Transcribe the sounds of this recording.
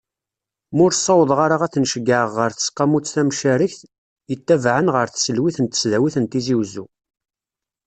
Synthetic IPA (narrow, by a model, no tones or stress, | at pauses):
mʊɾsˤːɑwəðˤʁaɾaʁæθnʃəɡəʕəʁːəɾθə̥sqːɑmut͡sːθæmʃæɾəçθ | jət̪ːævʕənʁəɾθsəlwiθənt̪ə̥sðæwiθənt̪iziwzṵ